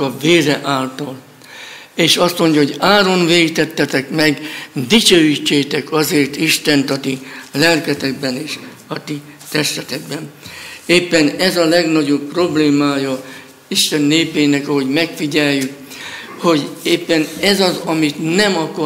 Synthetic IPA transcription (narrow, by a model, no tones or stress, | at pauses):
ɒveːɾɛʔaːlt̪ɒl | eːʃɒst̪mo̞ɲɟɒɦo̞ɟaːɾo̞nveːit̪ɛt̪ːɛt̪ɛkmɛɡd̪it͡ʃøːjit͡ʃːeːt̪ɛkɒzeːrt̪iʃt̪ɛnt̪ɒt̪ilɛlkɛt̪ɛk̚bɛneːʃ | ɒt̪it̪ɛʃt̪ɛt̪ɛɡbɛneːpːɛnɛzɒlɛɡnɒɟo̞pːro̞bleːmaːjɒ | iʃt̪ɛnːeːpeːnɛkɒɦo̞ɟmɛkfiɟɛjːyk | ho̞ɟeːpːɛnɛzɒzɒmit̪nɛmɒkɒ